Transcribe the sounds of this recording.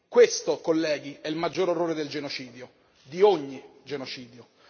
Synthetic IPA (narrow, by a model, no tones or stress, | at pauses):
kwest̪okolːɛːɡiɛilmad͡ʒːoːɾorːoːɾed̪eld͡ʒenot͡ʃiːd̪jo | d̪ioɲːid͡ʒenot͡ʃiːd̪jo